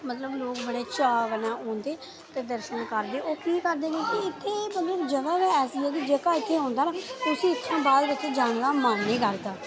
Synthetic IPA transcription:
mət̪ləbloːkbəɽeːt͡ʃaːʋənaːõːnd̪eː | t̪eːd̪əɾʃənkəɾd̪eːʔoːkiːkəɾd̪eːɡẽːkiɪt̪ʰːeːmət̪ləbd͡ʒəɡaːbɛːɛːsiːɛːɡid͡ʒeːkaːɪt̪ʰːeːɦõːnd̪aːnaːʊsĩːɪt̪ːʃʰãːbaːd̪ʋɪt̪ʰːeːd͡ʒãːŋlaːmaːnːeːkəɾd̪aː

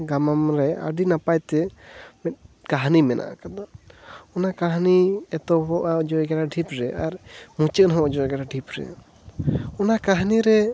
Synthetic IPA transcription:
ɡamamɾɛa̰ɖinapajt̪ɛmɛt̪̚ | kaɦnimɛnʔa̰ʔa̰kad̪aɔnakaɦniɛt̪ɔɦɔʔaɔd͡ʒɔɡɛɽaɖʱipɾɛʔaɾmũt͡ʃɛnɦɔʔɔd͡ʒɔɛɡɛɽaɖʱipɾɛ̰ | ɔnakaɦniɾɛ

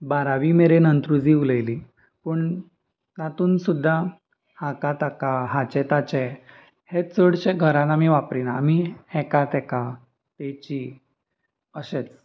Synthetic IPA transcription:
baɾaʋimeɾenənt̪ɾud͡ziuləjli | pəɳ | t̪at̪uːnsud̪ʱːa | hãkat̪akaɦat͡ɕɛt̪at͡ɕɛ | het͡səɽɕeɡʱəɾãt̪amiʋapɾinaːmihɛkat̪ɛka | t̪et͡ɕi | əɕet͡s

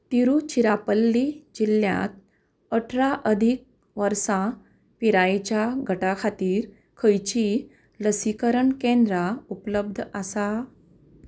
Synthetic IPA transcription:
t̪iɾut͡ɕiɾapəlːid͡ʑilːjã̰t̪̚ | əʈʰɾaʔəd̪ʱik̚ | ʋəɾsã | piɾajt͡ɕjaɡʱəʈakʰat̪iːɾ | kʰəjt͡ɕi | ləsikəɾəɳkẽnd̪ɾaupləb̚d̪ʱasa

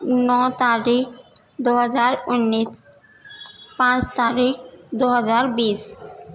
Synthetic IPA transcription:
nɔt̪aɾik | d̪uɦɔd͡ʑaɾunːis | pãt͡ɕt̪aɾik̚d̪uɦɔd͡ʑaɾbis

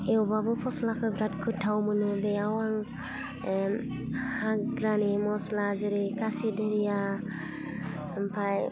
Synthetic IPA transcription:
ewbabɔpʰɔslakʰɯbɾat̚kʰɯtʰːawmɯnɯbejawaŋ | hakɡɾanimɔslad͡ʒɯɾɯkasideɾija | mpʰaj

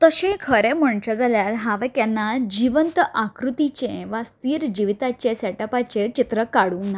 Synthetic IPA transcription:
t̪əɕẽkʰəɾeməɳt͡ɕad͡zaljaɾɦãʋɛkanːad͡ʑiʋənt̪ʔakɾut̪it͡ɕẽʋast̪iːɾd͡ʑiʋit̪at͡ɕesɛʈəpat͡ɕet͡ɕit̪ɾəkaɽuːna

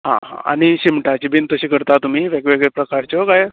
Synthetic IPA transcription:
ɦã̰ɦã̰a̰ñiɕimʈat͡ɕibʱiːnt̪əɕiːkəɾt̪at̪um̤iːʋeɡʋeɡɭepɾəkaɾt͡ɕokaj

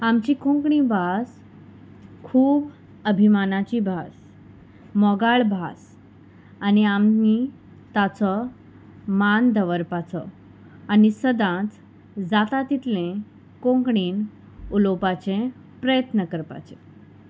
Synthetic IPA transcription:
amt͡ɕikõŋkɳĩbʱas | kʰuːb | əbʱimanat͡ɕibʱas | mɔɡaɭbʱas | aniamni | t̪at͡sɔ | mand̪əʋəɾpat͡sɔ | anisəd̪ãt͡s̪ | d͡zat̪at̪it̪lẽ | kõŋkɳiːn | ulopat͡ɕẽ | pɾəjət̪nəkəɾpa̰t͡ɕe

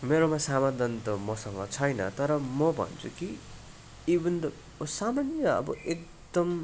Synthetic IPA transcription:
meɾomasamad̪ʱʌnt̪ʌmʌsʌŋɡʌt͡sʰʌjnʌ̰t̪ʌɾʌmʌbʱʌ̰nt͡sʰuki | ibʌnd̪ʌ | samanjʌʌ̰bʌek̚ | d̪̥ʌm

